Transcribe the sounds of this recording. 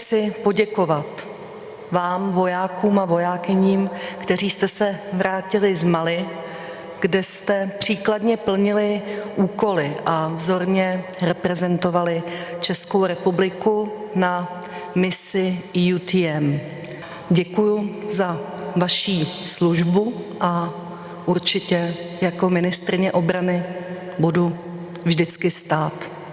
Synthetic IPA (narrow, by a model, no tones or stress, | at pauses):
t͡sɪpo̞ɟɛko̞vat̪ | vaːmvo̞jaːkuːmavo̞jaːkɪɲiːmkt̪ɛriːst̪ɛsɛvɾaːcɪlɪzmalɪ | ɡ̥dɛst̪ɛpr̝̥iːkladɲɛpl̩ɲɪlɪʔuːko̞lɪʔavzo̞ɾɲɛ | ɾɛpɾɛzɛnt̪o̞valɪt͡ʃɛskowɾɛpublɪku | na | mɪsɪjut̪ɪɛm | ɟɛkujʊza | vaʃiːsluʒbuʔa | ʔuɾt͡ʃɪcɛ | jako̞mɪnɪst̪ɾɪɲɛʔo̞bɾanɪ | budu | vʒdɪt͡skɪst̪aːt̪